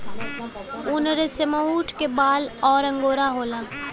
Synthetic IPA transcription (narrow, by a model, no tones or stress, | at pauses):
ʊnɾeseməuːʈʰkebaːlɔːɾɐ̃ŋɡoːɾaɦoːlaː